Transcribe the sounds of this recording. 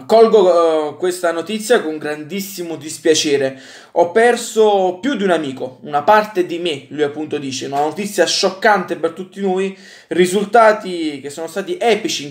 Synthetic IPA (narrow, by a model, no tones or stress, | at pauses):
kɔlɡokwest̪anot̪it̪sːjakoŋɡɾand̪isːimod̪ispjat͡ʃɛːɾe | ɔpːɛrsopjud̪iunamiːkounapart̪ed̪imelujapːunt̪od̪iːt͡ʃeunanot̪it̪sːjaʃːɔkːant̪epert̪ut̪ːinoːj | rizult̪aːt̪ik̟esːoːnost̪aːt̪iʔɛːpit͡ʃi